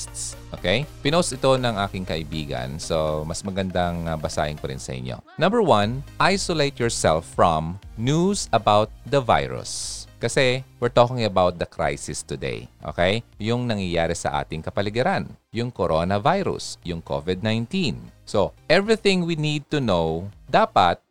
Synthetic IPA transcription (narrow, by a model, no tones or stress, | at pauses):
st̪sʔo̰kejpɪnoʔsɪt̪o̞nɐŋʔaːkɪŋkɐʔɪbiːɡɐ̰nsomɐsmɐɡɐnd̪aŋbɐsa̰ːʔɪŋpɐɾɪ̰nsɐ̰ʔɪ̰ɲʔo̰ | nɐ̃mbəɹwɐnʔajsolejt̪̚jɔɹsɛlfɹɔ̃mnjusɐbawt̪̚d̪ɐva̰jɹʊ̰skɐsɛwɪɹt̪oːkɪ̃ŋɐbawt̪̚d̪ɐkɾa̰jsɪst̪ʊd̪ḛjʔo̰ːkejjʊŋnɐŋjɐjaːɾɛsɐ̰ʔa̰ːt̪ɪŋkɐpɐlɪɡɛɾanjʊŋkoɾʔonɐvajɾʊ̰sjʊŋkʰo̰vɪd̪̚nãjnt̪ĩnsoʔɛvɹiθɪ̃ŋwinid̪̚t̪ʊnowd̪aːpɐt̪̚